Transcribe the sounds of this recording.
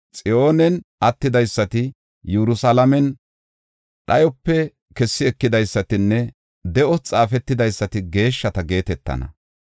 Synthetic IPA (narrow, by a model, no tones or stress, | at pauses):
t͡sʼɪʔo̞ːnɛnʔɐt̪ːɪd̪ɐjsːɐt̪ɪ | jɛɾʊsɐlɐmɛn | ɗɐjɔpːɛ | kɛsːɪɛkːɪd̪ɐjsːɐt̪ɪnːɛ | d̪ɛʔɔt͡sʼaːfɛt̪ːɪd̪ɐjsːɐt̪ɪɡe̞ːʃːɐt̪ɐɡe̞ːt̪ɛt̪ːɐ̰nɐ̰